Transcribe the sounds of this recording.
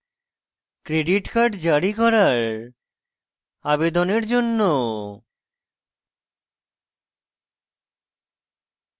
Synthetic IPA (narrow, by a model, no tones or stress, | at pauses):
kɾeɖiʈkaɾɖd͡ʑaɾikɔɾaɾ | abed̪oneɾd͡ʑonːo